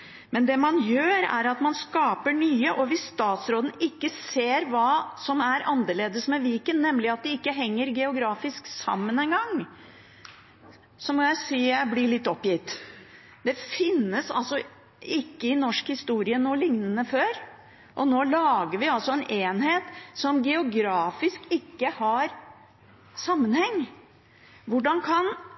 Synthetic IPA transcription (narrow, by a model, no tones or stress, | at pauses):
mɛnd̪ɛmɑnjøːɾæ̰ɾɑt̪mɑnskɑːpəɳyːəʔɔʋɪsst̪ɑːt̪sɾoːd̪n̩ɪkːəseːɾʋɑːsɔmæɾɑnd̪əɭeːd̪əsmɛʋiːkənːɛmːlɪɑt̪̚d̪ɛɪkːəɦɛŋːəɾɡɛʊɡɾɑːfɪsksɑ̰mːənɛnɡɑŋː | sɔmɔjæɪsiːjæɪblɪɭɪt̪ːɔpːjɪt̪ː | d̪ɛfɪnːəsɑ̰lsɔ | ɪkːəɪnɔʂkhɪst̪uːɾɪənoːlɪŋnənəføːɾ | ʔɔnoːlɑːɡəɾʋɪɑlsɔɛnʔeːnheːt̪sɔmɡɛʊɡɾɑːfɪskɪkːəhɑɾ | sɑmːənhɛŋː | ʋʊɖɑnkʰɑn